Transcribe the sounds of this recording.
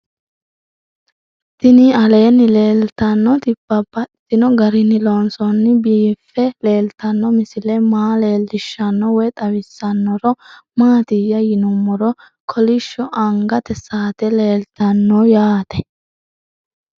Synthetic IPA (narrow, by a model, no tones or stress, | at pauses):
t̪ɪniɐle̞ːnːɪle̞ːlt̪ɐnːɔt̪ɪbːɐbɐt̪ːɪnɔɡɐɾɪnɪlɔnsɔnːɪbiːfːɛle̞ːlt̪ɐnːɔmɪsɪlɛmaːle̞ːlːɪʃːɐnːɔwɛt̪ʼɐwɪsːɐnːɔɾɔmaːt̪ɪjːɐjɪnʊmːɔɾɔ | kʰɔlɪʃːɔʔɐŋɡɐt̪ɛsaːt̪ɛle̞ːlt̪ɐnːɔjaːt̪ɛ